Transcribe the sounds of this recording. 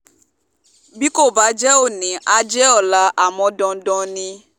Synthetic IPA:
bi˦ko˦˨ba˨˦d͡ʒɛ˦o˦˨nĩ˨ʔa˨d͡ʒɛ˦ɔ˨la˦ʔa˨mɔ̃˨˦dɔ̃˧dɔ̃˧nĩ˧

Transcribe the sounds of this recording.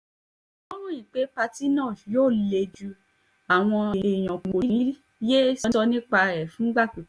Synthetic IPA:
ɔ˦ɾ̃ũ˦i˦˨k͡pe˨˦pa˧ti˦nã˦˨joː˦˨le˧d͡ʒu˧ | a˨w̃ɔ̃˧e˨e˧˨j̃ɔ̃˨ko˨˦ɾĩ˦i˦ | je˦sɔ˧nĩ˦k͡pa˧ɾɛ˨fũ˨˦ɡ͡ba˦˨k͡pu˨˦

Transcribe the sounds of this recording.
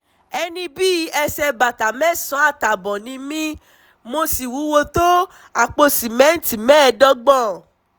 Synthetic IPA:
ɛ˧nĩ˧bi˦ɛ˧sɛ˧ba˨ta˨mɛ̃˦sɔ̃˨˦a˦˨ta˨bɔ̃˨nĩ˧mĩ˦ | mo˧si˨wu˨˦wo˧to˦ | a˨k͡po˧sĩ˨mɛ̃˨˦n̩˦ti˦˨mɛ̃˦˧˨dɔ˦ɡ͡bɔ̃˦˨

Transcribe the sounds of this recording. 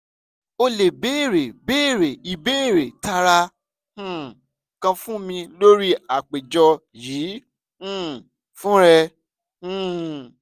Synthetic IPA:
o˧le˨be˨˦˨ɾe˨be˦˨ɾe˨i˨be˦e˦˨ɾe˨ta˧ɾa˧ | h̩˦˨ | kã˧fũ˦mĩ˧lo˦ɾi˦a˨k͡pe˨d͡ʒɔ˧jĩː˨˦ | fũ˦ɾɛ̃˧˦˨

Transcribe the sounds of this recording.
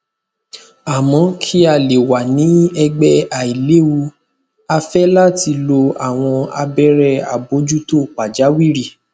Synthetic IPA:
a˨mɔ̃˧˦kʰi˦a˧˨le˨wa˨nĩ˨˦ɛ˧ɡ͡bɛ˦a˨i˨le˨˦u˧ | a˧fɛ˦la˦˨ti˧lo˧a˨w̃ɔ̃˧a̰˧bɛ˦ɾɛ˦˨a̰˨bo˨˦d͡ʒu˦to˦˨k͡pa˨d͡ʒa˨˦wi˦ɾi˦˨

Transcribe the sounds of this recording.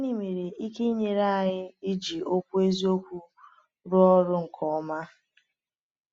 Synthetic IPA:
a˦ni˦˨me˨ɾe˨i˦ke˦i˦ɲe˨ɾa˦a˨ɣɪ˦ɪ˦d͡ʒi˨o˦kʷu˦e˦zi˦o˦kʷu˦ | ɾʊ˦ɔ˦ɾʊ˦ŋ̩˨kʰɔ˨ɔ˦ma˦

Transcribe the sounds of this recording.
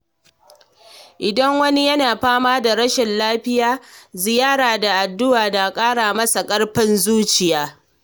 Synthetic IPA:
ʔɪ˨dɐ˦ŋwɐ˦ni˦jɐ˦naː˨ɸaː˦maː˦da˨ɾɐ˦ʃɪ˨nlaː˦ɸɪ˦jaː˦zɪ˨jaː˦ɽaː˨da˨ʔa˨dːʊ˦ʔaː˨da˨kʼaː˦ɽaː˨mɐ˦sa˨kʼɐ˦ɽɸɪ˦nzuː˦t͡ʃɪ˨jaː˦

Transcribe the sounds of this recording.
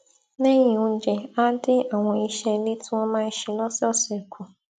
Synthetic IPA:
nẽ˦ɲĩ˨ũ˨˦d͡ʒɛ˨a˦dɪ˦a˨w̃ɔ̃˧i˦˨ʃɛ˧˨li˦tʊ̃˦ɔ̃˦mãː˦n̩˦ʃi˨lɔ˦sɛ˦ɔ˦˨sɛ˨kʰu˨

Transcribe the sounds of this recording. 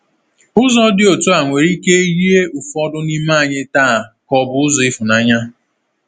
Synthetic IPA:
ʊ˦zɔ˦dɪ˦o˨tu˦a˨ŋʷe˨ɾi˦ke˦e˦ɣi˦e˦ʔʊ˨fɔ˦dʊ˦ni˦ma˦˨ɲɪ˦taː˦˨kɔ˨bʊ˨˦ʊ˦zɔ˨ɪ˦fʊ˨na˨ɲa˦

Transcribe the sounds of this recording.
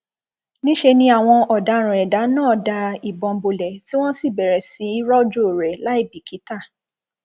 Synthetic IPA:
nĩ˦ʃe˧nĩ˧a˨w̃ɔ̃˧ɔ˨da˨˦ɾ̃ɛ˨da˨˦nãː˦˨da˧i˨bɔ̃˧m̩˨˦bo˨lɛ˨ti˦w̃ɔ̃˦si˦˨bɛ˨ɾɛ˨si˨˦i˦ɾɔ˦d͡ʒo˦˨ɾɛ˨la˨˦i˦˨bi˨ki˨˦ta˦˨

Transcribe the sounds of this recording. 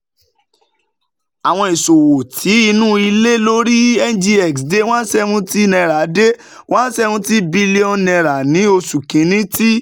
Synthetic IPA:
a˨w̃ɔ̃˧i˨so˨wo˨tʰi˨˦i˧nũ˦i˧le˦lo˦ɾi˦ɛ˦n˨˦d͡ʒi˧ɛ˨ksde˦w̃ã˦sɛ˦hũ˦ti˦nɛ̃˧ɾa˨˦de˦ | wã˦n˦sɛ˦˧ũ˦ti˦bi˦le˦ɔ˧nɛ̃˧ɾa˨nĩ˨˦o˧su˨kĩ˨˦nĩ˦ti˦

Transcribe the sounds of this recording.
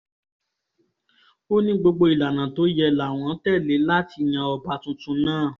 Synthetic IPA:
o˦nĩ˦ɡ͡bo˧ɡ͡bo˧i˨la˨nã˨to˨˦jɛ˧la˨w̃ɔ̃˨˦tɛ˦˨le˨˦la˦ti˧j̃ã˧ɔ˧ba˨˧tũ˧tũ˧˦nãː˦˨

